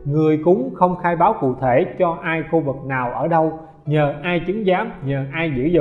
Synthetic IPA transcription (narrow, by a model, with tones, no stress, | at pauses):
ŋɨ˨˩əjkʊ˨˦ŋ͡mxə˧wŋ͡mxaː˧jɓaː˨˦wkṵ˧˨t̪ʰe˧˩t͡ɕɔ˧ʔaː˧jxu˧vɨ˨˩k̚naː˨˩wʔəː˧˩ɗə˧w | ɲəː˨˩ʔaː˧jt͡ɕɨ˨˦ŋzaː˨˦mɲəː˨˩ʔaː˧jzɨ̰˧˥zʊ̰˧˨